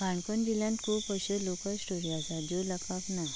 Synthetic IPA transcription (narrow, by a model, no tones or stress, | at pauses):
kãɳkənd̪iljãnt̪kʰuːpəɕəlokəsʈoɽijasad͡ʑoləkaknaj